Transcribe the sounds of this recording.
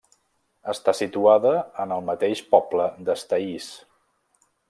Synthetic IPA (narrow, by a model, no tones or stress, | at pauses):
əst̪asit̪uaðəːnəlˠmət̪eʃpɔbləd̪əst̪əis